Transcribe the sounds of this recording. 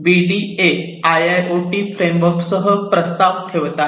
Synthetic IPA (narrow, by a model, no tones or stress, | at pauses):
biɖie | ajajʔoʈifɾemʋəɾksəɦəpɾəst̪aʋt̪ʰeʋt̪a